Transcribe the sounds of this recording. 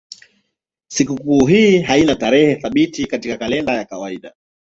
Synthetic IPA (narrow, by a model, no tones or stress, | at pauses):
sikukuːɦiːɦainataɾɛhɛθaɓitikatikakalɛndajakawaiɗa